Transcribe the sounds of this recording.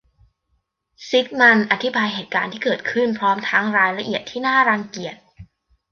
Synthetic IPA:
si˦˥k̚na˧nʔa˧t̪ʰi˦˥baː˧jɦeː˨˩t̪̚kaː˧nt̪ʰiː˥˩kɤː˨˩t̪̚kʰɯ˥˩npʰɾɔː˦˥mt̪ʰa˦˥ŋɾaː˧jɾa˧ʔi˨˩ət̪ʰːiː˥˩naː˥˩ɾa˧ŋki˨˩ət̪̚

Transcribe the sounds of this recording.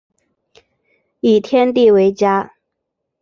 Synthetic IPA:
i˨˩t̪ʰjɛ˥nt̪i˥˩we˧˥ɪt͡ɕja˥

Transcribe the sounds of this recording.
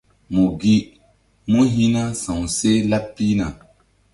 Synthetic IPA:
mu˨ɡi˦ | mo˦ɦĩ˦na˦sã˨w̃se˦la˦pːi˦na˨

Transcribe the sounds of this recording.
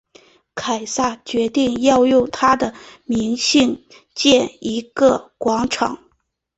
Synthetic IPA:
kʰa˨˩ɪsa˥˩t͡ɕɥɛ˧˥t̪i˥˧ŋjɑ˥˧ʊjʊ˥˩ŋt̪ʰa˥d̪ə˨mi˧˥ŋɕi˥˧ŋ | t͡ɕjɛ˥˩ni˧˥ɡə˧kwɑ˧˥ŋʈ͡ʂʰɑ̰˨˩˦ŋ

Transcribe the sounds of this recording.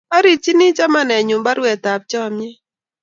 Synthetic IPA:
a˦ɾi˨t͡ʃi˦ni˦t͡ʃa˦ma˦nɛ˨ɲʊ˨mba˦ɾwɛ˨ta˨p̚t͡ʃɔ˦˨mjɛ˦

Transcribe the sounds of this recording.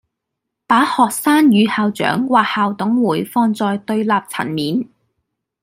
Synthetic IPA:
paː˨˥hɔː˨k̚saː˥njyː˨˧haː˨wt͡ʃœ̰ː˨˥ŋwaː˨k̚haː˨wt̪ʊ˨˥ŋwuː˨˩jfɔː˧ŋt͡sɔː˧jt̪ɵ˧ɥlaː˨p̚t͡sʰɐ̰˨˩nmiː˨n

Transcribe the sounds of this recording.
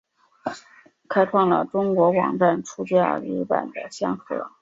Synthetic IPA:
kʰa˥ɪʈ͡ʂʰwɑ˥˩ŋlə̰˩ʈ͡ʂʊ˥ŋkwɔ˧˥wɑ̰˨˩ŋʈ͡ʂa˥˩nʈ͡ʂʰu˥t͡ɕɥɛ˥ə̰˥˩li˧˥pa̰˨˩nd̪ə˦ɕjɑ˥ŋxɤ̰˧˥

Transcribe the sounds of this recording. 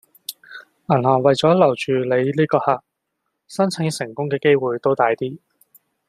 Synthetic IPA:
ʔɐ˨˩nɦɔː˨˩ŋwɐ˨jt͡sɔː˨˥lɐ˨˩wt͡ʃyː˨le˨˧jliː˥kɔː˧haː˨k̚ | sɐ˥nt͡sʰɪ˨˥ŋsɪ˨˩ŋkʊ˥ŋkɛː˧ke˥jwuː˨jt̪o˥wt̪aː˧jt̪iː˥

